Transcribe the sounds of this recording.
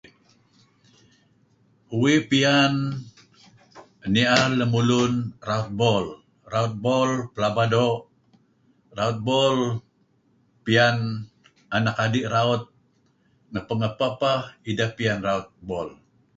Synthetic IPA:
uwipian | əniʔaləmulunraut̪̚bɔl | raut̪̚bolpəlabadoʔ | raut̪̚bol | pian | anakadiʔɾaut̪̚ | ŋəpəŋəpapahidahpianraut̪̚bɔl

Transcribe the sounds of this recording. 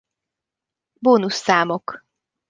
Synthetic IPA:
boːnusːaːmok

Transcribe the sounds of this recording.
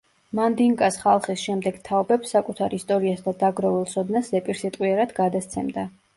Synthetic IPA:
mand̪iŋkʼasχalˠχisʃɛmd̪ɛɡ̥t̪ʰaɔbɛpsːakʼut̪ʰaɾist̪ʼɔɾiasd̪ad̪aɡɾɔvɛlˠt̪sʰɔd̪naszɛpʼiɾsit̪ʼqʼwiɛɾad̪ɡad̪ast̪sʰɛmd̪a

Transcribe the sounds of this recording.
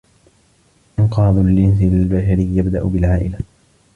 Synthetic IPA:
ʔɪnqɑːd̪ˤlɪnslbaʃaɾɪjjabd̪aʔʊbɪlʕaːʔɪla

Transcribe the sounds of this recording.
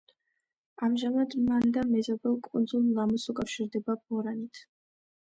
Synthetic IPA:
amʒamad̪mand̪amɛzɔbɛlˠkʼund̪zulˠlamɔsukʼafʃiɾd̪ɛbabɔɾanit̪ʰ

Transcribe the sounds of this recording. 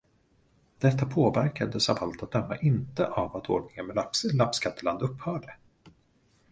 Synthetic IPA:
d̪̥ɛt̪ːapʰoːvæɾkad̪əsavalt̪at̪̚d̪œmːa̰ʔɪnt̪əʔavat̪ʰo̰ːɖnɪŋənmɛlapslapskʰat̪ːəland̪ɵpːhœːɖə

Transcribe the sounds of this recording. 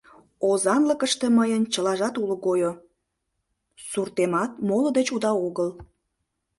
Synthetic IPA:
ozɑnləkəʃt̪eməjənt͡ɕəlɑʒɑt̪uləɣojo | surt̪emɑt̪̚molə̆d̪et͡ɕud̪ɑoɣəl

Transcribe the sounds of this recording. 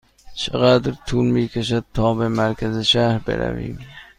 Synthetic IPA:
t͡ʃʰɪʁad̪ɪɾt̪ʰulmikʲʰaʃ̬at̪ʰːɒːbɪmaɾkʲʰazɪʃaɾbḛɾʔa̰vḭm

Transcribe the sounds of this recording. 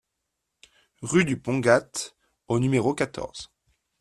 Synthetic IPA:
ʁyd̪ypɔ̃ɡat̪ | onymeʁokat̪ʰɔ̰ʁz̥

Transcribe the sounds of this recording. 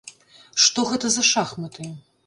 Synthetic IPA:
ʂt̪ɔɣɛt̪ɐzɐʂaxmɐt̪ɨ

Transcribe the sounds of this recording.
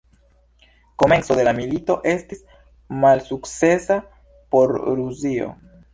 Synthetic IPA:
ko̞me̞nso̞d̪e̞lamilito̞ʔe̞stis | malsukt͡sse̞sa | po̞ɾɾuzio̰

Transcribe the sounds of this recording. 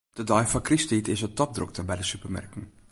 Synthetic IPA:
d̥ədɔjfɔkristitʰɪsətɔp̚drʊ̰k̚təbɛjdəsypərmɛ̰rkən̩

